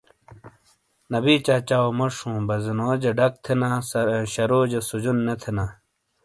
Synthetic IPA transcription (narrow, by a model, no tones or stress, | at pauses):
nɐbiːt͡ɕaːt͡ɕaːomɐʂũːbɐzinoːd͡ʑeɖɐk̚t̪ʰenãsɕɐɾoːd͡ʑesud͡ʑunːet̪ʰena